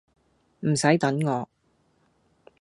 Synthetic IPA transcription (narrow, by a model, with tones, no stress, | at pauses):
m̩˨˩sɐ˨˥jt̪ɐ˨˥nŋɔː˨˧